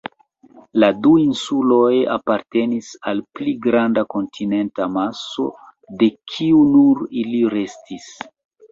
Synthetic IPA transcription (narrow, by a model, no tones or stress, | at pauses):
laduinsulo̞ja̰paɾte̞nisalpliɡɾandako̞ntʰine̞ntamaso̞̰ | de̞kʰiunuɾiliɾe̞stis